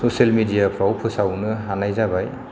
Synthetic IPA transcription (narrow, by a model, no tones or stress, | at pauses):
sɔselmidijapʰɾawpʰɯsawnɯanajzabaj